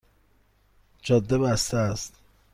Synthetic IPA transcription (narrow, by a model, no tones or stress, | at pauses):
d͡ʒɒːd̪ːebæst̪ææst̪